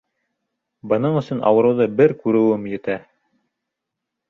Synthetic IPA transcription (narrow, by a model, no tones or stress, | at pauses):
bɤ̆nɤɴɵ̆sɵnɑ̰wɤ̆ɾɤ̆wðɤbɘɾkʉɾɘ̆wɘmjɵ̆t̪æ